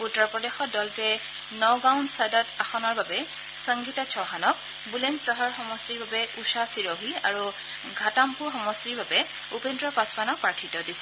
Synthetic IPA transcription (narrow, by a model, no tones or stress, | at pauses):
utːɔɹpɹɔdexɔt̚dɔltɛ | nɔwɡawnsadataxɔnɔɹbabɛ | səŋɡitasʰɔɦanɔk̚ | bulensəɦɔɹxɔmɔstiɹbabɛusasiɹɔɦia̰ɹu | ɡʱatampuɹxɔmɔstiɹbabɛ | upendɹɔpaspanɔk̚pɹatʰitɔdisɛ